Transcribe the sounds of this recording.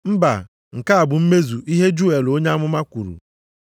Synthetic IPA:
m̩˦ba̰˨ | ŋ̩˨ka˦a˨bʊ˨m̩˦me˦zu˨ʔi˦ɦe˦d͡ʒu˦e˨lo˦ɲa˦a˦mʊ˦ma˦kʷu˨ɾṵ˨

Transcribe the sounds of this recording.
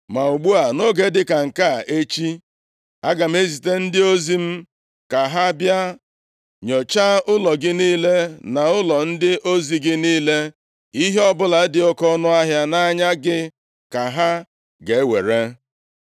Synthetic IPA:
ma˨u˨ɡ͡bu˦a˨no˦ɡe˦dɪ˦ka˨ŋ̩˨ka˦˨e˦t͡ʃi˦ | a˦ɡa˨m̩˦e˦zi˨te˦n̩˦dɪ˦o˦zi˦m̩˦ | ka˨ɦa˦bja˦ | ɲɔ˨t͡ʃa˦ʊ˦lɔ˨ɡɪ˦niː˦le˦na˨ʊ˦lɔ˨n̩˦dɪ˦ʔo˦zi˨ɡɪ˦niː˦le˦ | i˦ɦe˦ɔ˦bʊ˦la˨˦dɪ˨ɔ˦kɔ˦nʊ˦a˦ɦja˦na˦ɲa˦ɡɪ˦ | ka˨ɦa˦ | ɡe˨˦we˨ɾe˦

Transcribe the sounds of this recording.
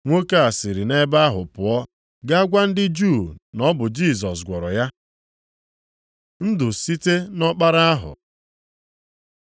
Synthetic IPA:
ŋʷo˦ka˦a˨sɪ˨ɾi˨ne˦ba˦a˦ɦʊ˨pʊ˨ɔ˦ | ɡa˦a˦ɡʷa˦n̩˦dɪ˦d͡ʒu˦˨nɔ˦bʊ˨d͡ʒi˦˨s̬ɔ˨s̬ɡʷɔ˨ɾɔ˨ja˦ | n̩˦dʊ˨si˦te˦nɔ˦k͡pa˦ɾa˦a˦ɦʊ̰˨

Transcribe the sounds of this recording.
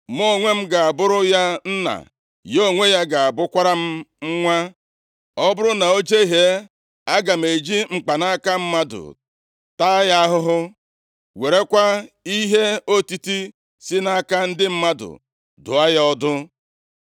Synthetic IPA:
mo˦˨ŋʷe˦m̩˦ɡa˨a˨bʊ˦ɾʊ˦ja˦n̩˦na̰˨ | jo˦˨ŋʷe˦ja˦ɡa˨a˨bʊ˦kʷa˦ɾa˦m̩˦ŋ͡m̩˦ŋʷa˦ | ɔ˦bʊ˦ɾʊ˦na˨o˦d͡ʒe˦i˦ɦe˦ | a˦ɡa˨m̩e˨d͡ʒi˦ŋ͡m̩˨k͡pa˨na˦ka˦m̩˦ma˦dʊ̰˨ | ta˦ja˦ɦʊ˦ɦʊ˦ | we˨ɾe˦kʷa˦i˦ɦe˦o˦ti˦ti˦ | si˦na˦ka˦n̩˦dɪ˦m̩˦ma˦dʊ̰˨ | dʊ̰˨a˦jɔ˦dʊ˦

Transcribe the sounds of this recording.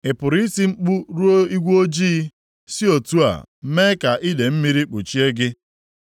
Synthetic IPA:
ɪ˨pʊ˨ɾi˦si˦ŋ͡m̩˦k͡pu˦ɾu˦o˦i˦ɡʷo˦d͡ʒiː˦ | si˦o˨tu˦a̰˨˦me˦ka˨ʔi˦de˨m̩˦mi˦ɾi˦k͡pu˨t͡ʃi˦e˦ɡɪ˦

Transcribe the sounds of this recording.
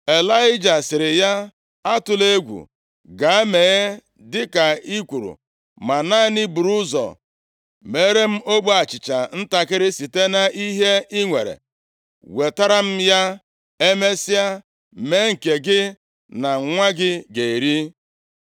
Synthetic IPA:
e˨la˦ɪ˦d͡ʒa˨sɪ˨ɾɪ˨ja˦ | a˦tʊ˨le˦ɡʷṵ˨ | ɡa˨e˦me˨ɣe˦ | dɪ˦ka˨i˦kʷu˨ɾṵ˨ | ma˨na˦ni˦bu˨ɾu˦zɔ̰˨ | me˨˦ɾe˦m̩˦o˦ɡ͡bu˦a˨t͡ʃɪ˨t͡ʃa˨n̩˦ta˨kɪ˦ɾɪ˦si˨te˦na˨ʔi˦ɦe˦i˦ŋʷe˨ɾḛ˨ | we˨ta˦ɾa˦m̩˦ja˦ | e˦me˦si˦a˦ | me˦ŋ̩˨ke˨ɡɪ˦ | na˨ŋ̩˦ŋʷa˦ɡɪ˦ɡe˨i˨ɾi˦

